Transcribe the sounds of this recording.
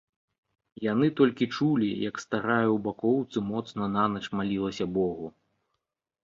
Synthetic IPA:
janɨt̪ɔlʲkʲit͡ʂulʲijɐkst̪aɾajuwbakɔwt̪sɨmɔt̪snɐnanɐt͡ʂmalʲilˠɐsʲɐbɔɣu

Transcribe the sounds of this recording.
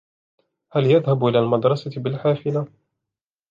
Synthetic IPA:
haljaðhabʔɪlaːlmad̪ɾˤɑsabɪlħaːfɪla

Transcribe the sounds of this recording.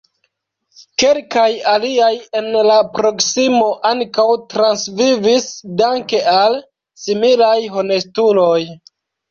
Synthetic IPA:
ke̞lkajaliaje̞nlapɾo̞ksimo̞ʔaŋkawtɾansvivisdaŋke̞ʔal | similajɦo̞ne̞stulo̞j

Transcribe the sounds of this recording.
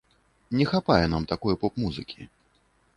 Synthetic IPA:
nʲɛxapajɛn̪amt̪akɔjɛpɔpmuzɨkʲi

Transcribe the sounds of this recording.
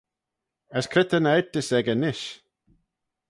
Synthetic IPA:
əskʰɾɪt̪ənaɛt̪ɪsɛɡənɪʃ

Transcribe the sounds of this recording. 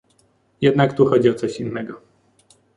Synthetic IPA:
jɛd̪nakt̪uxɔd͡ʑiɔt̪sɔɕinːɛɡɔ

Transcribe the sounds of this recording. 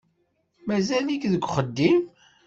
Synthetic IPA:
mæzælikðəɡʷχəd̪ːim

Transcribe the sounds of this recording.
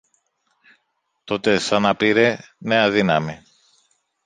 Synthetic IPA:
t̪o̞t̪e̞sɐnɐpiɾe̞ne̞ɐðinɐmi

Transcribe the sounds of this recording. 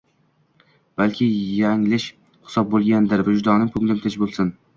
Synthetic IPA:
b̥alkʲʰɪjaŋlɪʃ | hɪ̥sɒb̚bolˠɡʲand̪ɪɾvad͡ʒd̪ɒnɪmpʰʊŋlɪmt̪ʰɪt͡ʃbolˠsɪn

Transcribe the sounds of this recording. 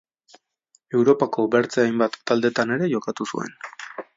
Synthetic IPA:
e̞wɾo̞pako̞beɾt͡seajmbat̪ːald̪e̞t̪ane̞ɾe̞jo̞kat̪usṵe̞̰n

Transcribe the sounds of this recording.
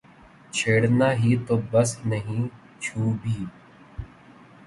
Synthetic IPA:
t͡ʃʰeːɽnaːɦiːt̪oːbɐsnəɦĩː | t͡ʃʰuːbʱiː

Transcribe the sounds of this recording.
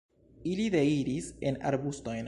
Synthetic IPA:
ilide̞iɾisena̰ɾbusto̞jn

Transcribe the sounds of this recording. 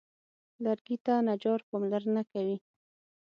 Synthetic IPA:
laɾɡit̪anad͡ʒɑɾpɑmlaɾnakawi

